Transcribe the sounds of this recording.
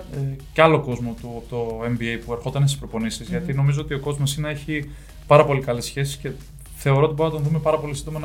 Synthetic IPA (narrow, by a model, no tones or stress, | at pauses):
cɐlo̞ko̞zmo̞t̪ut̪oe̞mbiejpue̞ɾxo̞t̪ɐnest̪ispɾo̞po̞nisizʝɐt̪ino̞mizoo̞t̪io̞ko̞zmo̞sinɐe̞çi | pɐɾɐpo̞likɐlesçe̞si̥sce̞ | θe̞o̞ɾoot̪ibo̞ɾnɐt̪oðume̞pɐɾɐpo̞lisind̪o̞mɐn